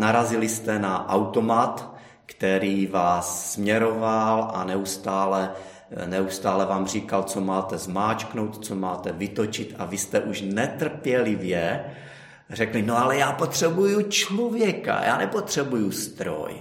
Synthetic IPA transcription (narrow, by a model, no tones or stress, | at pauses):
naɾazɪlɪst̪ɛnaʔawt̪o̞mat̪ | kt̪ɛɾiːvaːsːmɲɛɾo̞valʔa̰nɛust̪aːlɛ | nɛust̪aːlɛvaːmr̝iːkalt͡somaːt̪ɛzmaːt͡ʃkno̞wt̪t͡somaːt̪ɛvɪt̪o̞t͡ʃɪt̪avɪst̪ɛʔuʃnɛt̪r̩pjɛlɪvjɛ | rɛklinoalɛjaːpot̪r̝̥ɛbujut͡ʃlovjɛka̰jʔa̰ːnɛpot̪r̝̥ɛbujust̪ɾo̰j